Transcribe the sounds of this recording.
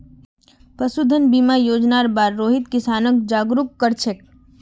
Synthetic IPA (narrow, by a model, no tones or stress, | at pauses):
pɾɐsud̪ʱənbiːmajoːd͡ʒnaːɾbaːɾːoːɦɪt̪kɪsaːnək̚d͡ʒaːɡɾukːəɾt͡ʃʰek